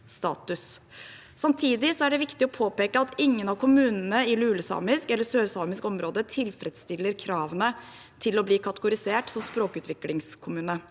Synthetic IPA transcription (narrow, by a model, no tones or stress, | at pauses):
st̪ɑ̰ːt̪ʉsː | ɑmt̪ʰiːd̪ɪsɔæɖɛʋɪkt̪ɪɔpʰoːpeːkəɑt̪ɪŋːənɑʋkʰʊmʉːnənəɪlʉːləsɑ̰ːmɪskɛlːəsøːɾsɑːmɪskɔmɾoːd̪ət̪ʰɪlfɾɛd̪st̪ɪlːəɾkʰɾɑːʋənə | t̪ʰɪlɔbliːkʰɑt̪əɡʊɾɪseːʈsɔmspɾoːkʉːt̪ʋɪklɪŋskʰʊmʉːnə